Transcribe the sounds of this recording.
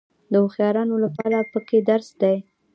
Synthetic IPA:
d̪əoxjɑɾɑnolapɑɾapəked̪aɾsd̪aj

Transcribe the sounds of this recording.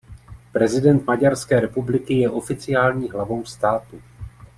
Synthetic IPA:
pɾɛzɪdɛnt̪maɟaɾskɛːɾɛpublɪkɪjɛʔo̞fɪt͡sɪjaːlɲiːɦlavo̞wst̪aːt̪u

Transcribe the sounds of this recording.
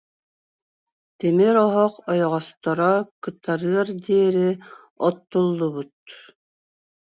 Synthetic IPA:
t̪ɛmɛɾɔɦɔqɔjɔʁɔst̪ɔɾɔkɯt̪aɾɯɐɾd̪iɛɾi | ɔt̪ːolˠːuβut̪̚

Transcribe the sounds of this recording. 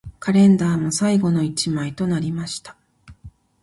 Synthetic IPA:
kaɾẽ̞nd̪aːmo̞saiɡo̞no̞it͡ɕimait̪o̞naɾʲimaɕi̥t̪ḁ

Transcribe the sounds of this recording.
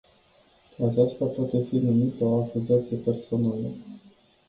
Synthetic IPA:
at͡ʃast̪apat̪e̞finumit̪əoakuziat̪sije̞pe̞rso̞nalə

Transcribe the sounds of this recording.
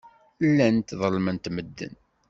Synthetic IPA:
lːænt̪ðˤəlmənt̪məd̪ːə̰n

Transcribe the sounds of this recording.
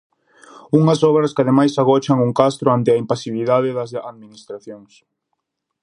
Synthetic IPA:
uŋɐsɔβɾɐskɪaðemajsaɣ̞ɔt͡ʃaŋuŋkast̪ɾʊant̪ɪɐimpasiβiðaðɪðɐsaðminist̪ɾaθjoŋs

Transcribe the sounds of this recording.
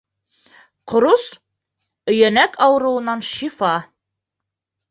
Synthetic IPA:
qŏɾus | ɵ̆jænækʰɑwɤ̆ɾɤ̆wɤ̆nɑnʃifɑ

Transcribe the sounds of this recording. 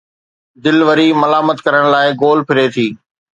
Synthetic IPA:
d̪ɪlʋəɾimɐlaːmət̪kɐɾəɽ̃laːɪɡoːlpʰɪɾet̪ʰiː

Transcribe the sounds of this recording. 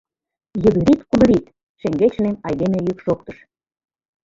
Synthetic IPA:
jə̆d̪ə̆ɾit̪kud̪ɤ̆ɾit̪ | ʃeŋɡet͡ɕnemɑjd̪emejykʃokt̪ə̥̆ʃ

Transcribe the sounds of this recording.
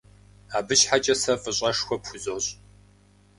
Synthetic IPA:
aːbɨʃħat͡ʃʼɐsɐfʼɨɕʼɐʂxʷɔpxʷʊzoɕʼ

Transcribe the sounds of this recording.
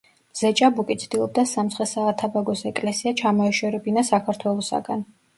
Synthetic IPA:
z̥ɛt͡ʃʼabukʼit̪sʰd̪̥ilˠɔb̚d̪asamt̪sʰχɛsaːt̪ʰabaɡɔsɛkʼlɛsiat͡ʃʰamɔɛʃɛɾɛbinasakʰaɾt̪ʰwɛlˠɔsa̰ɡan

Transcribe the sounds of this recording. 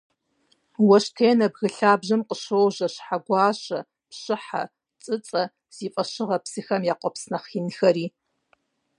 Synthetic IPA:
wɐʃtʰeːnɐbɣɨɬaːbʒɐmqʼəʃowʒɐɕħaɡʷɑːɕɐ | pɕɨħa̰ | t͡sʼɨt͡sʼɐ | z̥iːfʼɐʃɪʁɐpsɨxɐmjaːqʷʼɔpsnɐχiːnxɐɾiː

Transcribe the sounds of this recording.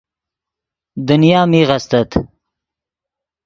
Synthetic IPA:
d̪ʊnjɑːmiɣast̪at̪

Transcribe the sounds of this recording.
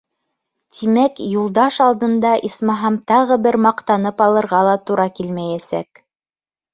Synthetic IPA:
t̪ʰimækjulˠd̪ɑʃɑlˠd̪ɤ̆nd̪ɑʔismɑɦɑmt̪ɑʁɤbɘɾmɑqt̪ɑnɤpɑlˠɤ̆ɾʁɑlˠɑt̪uɾɑkilmæjæsæ̰k

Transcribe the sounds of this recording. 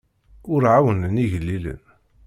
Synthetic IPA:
ʊɾʕawənəniʝəlːilə̰n

